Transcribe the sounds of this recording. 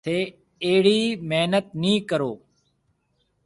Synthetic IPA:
eː | eːɽiːmeɦnət̪̚nĩːkəɾoː

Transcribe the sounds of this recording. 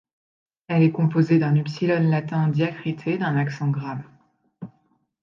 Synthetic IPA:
ɛlɛkɔ̃pozed̪ɛ̃nypsilɔnlat̪ɛ̃d̪jakχit̪ʰed̪ɛ̃naksɑ̃ɡʁam

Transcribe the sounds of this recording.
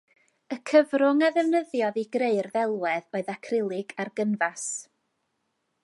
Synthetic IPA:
əkʰəvrʊŋaðɛvnəðjɔðiɡreɨrðɛlˠwɛðoɨðakʰrɪlˠɪɡarɡənvas

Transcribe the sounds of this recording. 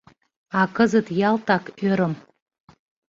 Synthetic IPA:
ɑkəzət̪jɑlˠt̪ɑkøɾə̆m

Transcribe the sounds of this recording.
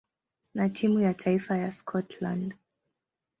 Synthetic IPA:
natʰimujatʰaifajaskʰɔtʰla̰nd

